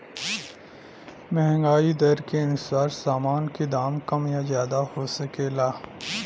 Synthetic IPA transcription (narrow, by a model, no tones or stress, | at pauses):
mɛɦɛ̃ŋɡaːid̪ɐɾkeɐnʊsaːɾsaːmaːnked̪aːmkɐmjazjaːd̪ahoːsɐkeːlaː